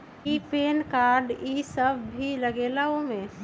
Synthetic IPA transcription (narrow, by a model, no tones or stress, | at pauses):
ipeːnkaɾɖisəbːʱiləɡelaomẽ